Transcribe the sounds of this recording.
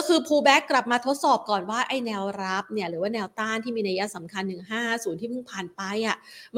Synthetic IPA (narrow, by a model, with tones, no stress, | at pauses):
kʰɯː˧pʰuː˧bɛː˦˥kːɾa˨˩p̚maː˧t̪ʰo˦˥t̪̚sɔː˨˩p̚kɔː˨˩nwaː˥˩ʔa˥˩jnɛː˧wɾa˦˥p̚ni˥˩ɐɾɯː˩˦waː˥˩nɛː˧wt̪aː˥˩nt̪ʰiː˥˩miː˧na˧ja˦˥sa˩˦mkʰa˧nːɯ˨˩ŋɦaː˥˩suː˨˩˦nt̪ʰiː˥˩mɯ˥˩ŋpʰaː˨˩npa˧˥jʔa˨˩m